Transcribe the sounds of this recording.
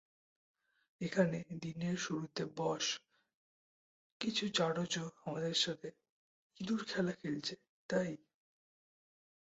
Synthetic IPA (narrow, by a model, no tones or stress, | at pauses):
ekʰaned̪ineɾʃuɾut̪ebɔʃ | kit͡ɕʰut͡ɕaɽod͡ʑoamad̪eɾʃat̪ʰe | id̪uɾkʰɛlakʰelt͡ɕʰe | t̪aj